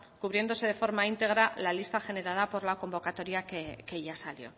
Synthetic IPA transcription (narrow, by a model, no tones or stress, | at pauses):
kuβɾje̞nd̪o̞se̞ð̞e̞fo̞ɾmaint̪e̞ɣ̞ɾalalist̪axe̞ne̞ɾað̞apo̞ɾlako̞mbo̞kat̪o̞ɾjakeke̞ʝasaljo̞